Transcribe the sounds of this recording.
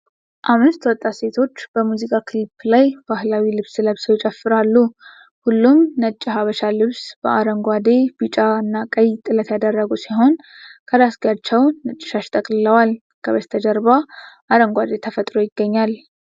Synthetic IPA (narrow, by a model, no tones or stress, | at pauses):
ʔamːɨst̪ʰwɔt̪ʼːase̞t̪ʰo̞t͡ʃːb̥əmuzikʼakʰɨlpʰːlajbahlawilɨβsləβsəwɪt͡ʃʼəfːɨɾalːu | hulːumnət͡ʃʼːɪɦaβəʃalɨβsb̥əʔaɾəŋɡʷad̪e̞bɨt͡ʃʼaɨnːakʼəjt̪ʼɨlət̪jad̪ərːəɡusiɦo̞n | kʰəɾasɡat͡ʃːɛwnət͡ʃʼːɪ̥ʃaʃt̪ʼəkʼlɨləwal | kʰəβəst̪ʰəd͡ʒəɾbaʔaɾəŋɡʷad̪e̞t̪ʰəfət̪ʼɾojɪɡːəɲːal